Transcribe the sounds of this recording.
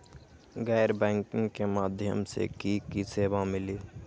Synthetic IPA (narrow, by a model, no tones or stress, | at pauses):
ɡɛːɾbɛ̃ːŋkɪ̃ŋkemaːd̪ʱjə̰msḛkikiseːʋamɪliː